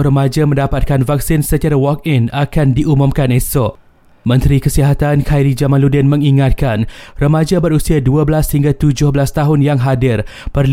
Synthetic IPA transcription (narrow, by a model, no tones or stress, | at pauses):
ɾəmad͡ʒamə̃ndapat̪̚kanvak̚sɪnsət͡ʃaɾawɔk̚ɪnakandiʔumumkanɛsɔ | mə̃nt̪ɾikəsiɦat̪ankʰajɾid͡ʒamãnludɛnmə̃ŋiŋat̪̚kanrəmãd͡ʒabəɾusiaduabəlashiŋɡat̪ud͡ʒʊhbəlast̪aɦʊnjaŋɦadɪrpərl